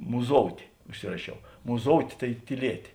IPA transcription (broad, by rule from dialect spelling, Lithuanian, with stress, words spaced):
mʊˈzoːʊtʲeː ʊʃʲˈsʲɪrɐʃʲɛʊ mʊˈzoːʊtʲeː tɐɪ tʲiːˈlʲiɛtʲeː